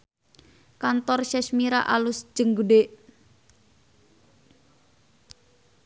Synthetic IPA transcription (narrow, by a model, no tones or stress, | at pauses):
kant̪ɔrʃɛʃmiɾa̰ʔalusd͡ʒəŋɡuɖeʔ